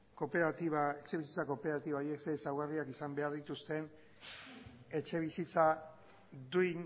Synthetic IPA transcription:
kopeɾat̪iβaet͡ʃe̞βisit͡sako̞pe̞ɾat̪iβaieksesawɣariakisambe̞aɾðit̪ust̪e̞n | e̞t͡ʃe̞β̞isit͡sa | d̪uin

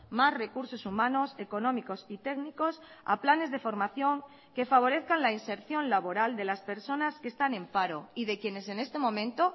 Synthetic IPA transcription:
masre̞kuɾso̞sumãno̞se̞ko̞nõmiko̞sit̪e̞ɡniko̞sa̰plane̞zðe̞fo̞ɾmaθjo̞ŋ | ke̞faβ̞o̞ɾe̞θkanlainse̞ɾθjo̞nlaβ̞oɾald̪e̞laspe̞ɾso̞naskest̪anẽ̞mpaɾo̞iðekjene̞se̞nest̪e̞mõ̞mẽnt̪o

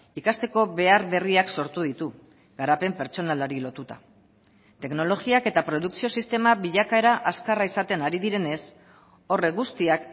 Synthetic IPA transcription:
ikast̪e̞ko̞βe̞aɾβe̞riakso̞ɾt̪uðit̪u | ɡ̥aɾape̞mpe̞ɾt͡ʃo̞nalaɾilo̞t̪ut̪a | t̪e̞kno̞lo̞ɣiake̞t̪apɾo̞ð̞uksio̞sist̪e̞maβiʎakae̞ɾaʔaskaraisat̪e̞naɾiðiɾe̞ne̞s | o̞re̞ɡust̪iak

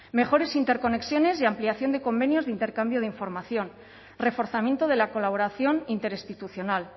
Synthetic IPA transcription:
me̞xo̞ɾe̞sint̪e̞ɾko̞ne̞ksjo̞ne̞seampliaθjo̞nd̪eko̞mbe̞njo̞zðeint̪e̞ɾkambjo̞ð̞eiɱfo̞ɾmaθjo̞n | re̞fo̞ɾθamje̞nt̪oð̞e̞lako̞laβo̞ɾaθjo̞nint̪e̞ɾist̪it̪uθjo̞nal

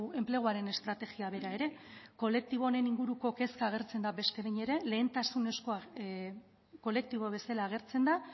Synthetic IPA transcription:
e̞mple̞ɣ̞oaɾe̞ne̞st̪ɾat̪e̞ɣiaβ̞e̞ɾae̞ɾe̞ko̞le̞k̚t̪iβ̞o̞ne̞niŋɡuɾuko̞ke̞skaːɣ̞e̞ɾt͡se̞nd̪abe̞st̪e̞βeɲe̞ɾe̞le̞ːnt̪asune̞sko̞a | ko̞le̞k̚t̪iβ̞oβe̞salaːɣ̞e̞ɾt͡se̞nd̪a

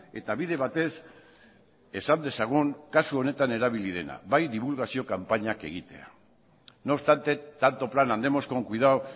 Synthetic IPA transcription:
e̞t̪aβiðe̞βat̪e̞s | e̞sand̪e̞saɣ̞uŋkasuo̞ne̞t̪ane̞ɾaβ̞iliðe̞na̰βajd̪iβulɣasio̞kampaɲake̞̰ɣ̞it̪e̞̰a̰ | no̞st̪ant̪e̞t̪ːant̪o̞planand̪e̞mo̞sko̞ŋkuiðao

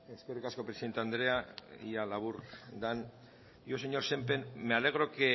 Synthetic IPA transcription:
e̞ske̞rikasko̞pɾesiðet̪eand̪ɾe̞aḭalaβuɾd̪an | joseɲo̞ɾse̞mpenmeale̞ɣ̞ɾo̞ke

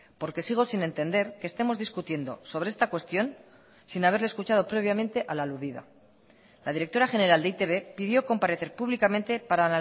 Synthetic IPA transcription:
po̞ɾke̞siɣ̞o̞sine̞nt̪e̞nd̪e̞ɾke̞st̪e̞mo̞zðiskut̪je̞nd̪o̞̰so̞β̞ɾeest̪akwe̞st̪jo̞n | sinaβ̞e̞ɾleskut͡ʃað̞o̞pɾe̞β̞jament̪e̞ʔalaːluðiða̰ | laðiɾe̞k̚t̪o̞ɾaxe̞ne̞ɾald̪eit̪e̞βe̞piðjo̞ko̞mpaɾe̞θe̞ɾpuβlikamẽnt̪e̞paɾaːna

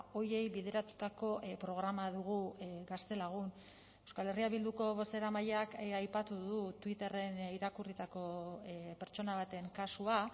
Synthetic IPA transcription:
o̞je̞jβið̞e̞ɾat̪u̥t̪ako̞pɾo̞ɣ̞ɾamaðuɣ̞uɡast̪e̞laɣ̞un | e̞wskale̞riaβild̪uko̞βo̞se̞ɾamaʎeakajpat̪uðut̪wit̪e̞re̞niɾakurit̪ako̞pe̞ɾt͡ʃo̞naβ̞at̪e̞ŋkasua

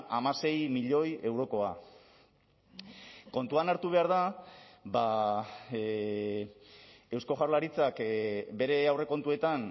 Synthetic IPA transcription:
ʔamase̞jmiʎo̞je̞wɾo̞ko̞a | ko̞nt̪uanaɾt̪uβe̞aɾð̞aba | e̞wsko̞ʝaɾlaɾit͡sakbe̞ɾe̞awre̞ko̞nt̪ue̞t̪an

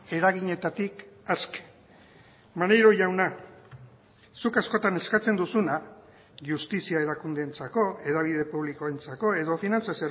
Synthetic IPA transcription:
e̞ɾaɣiɲe̞t̪at̪ikaske̥ | mane̞jɾo̞ʝawna | sukasko̞t̪ane̞skat͡se̞nd̪usuna | ʝust̪isiaeɾakund̪e̞ːnt͡sako̞e̞ðaβ̞iðe̞puβ̞liko̞ent͡sako̞e̞ðo̞finant͡saso

